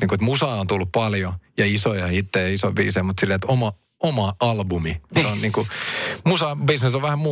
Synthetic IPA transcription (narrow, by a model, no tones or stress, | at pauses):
niŋkuet̪musɑːont̪ulːuppɑljojɑisojɑhit̪ːejɑisoʋʋḭːseimut̪silːeet̪omɑ | omɑɑlbumionniːŋkumusɑbisnesoʋʋæhæmmuː